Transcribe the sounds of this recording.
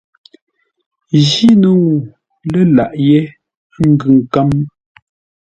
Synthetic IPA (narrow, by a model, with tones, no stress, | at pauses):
ʒi˦nə˨ŋu˨ | lə˦la˨ʔje˦ | ŋ̩˦ɡʉ˨ŋ˨ka˦m˦